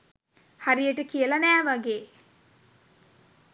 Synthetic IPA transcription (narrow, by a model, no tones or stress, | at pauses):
haɾijəʈəkijəlɐnæːʋaɡeː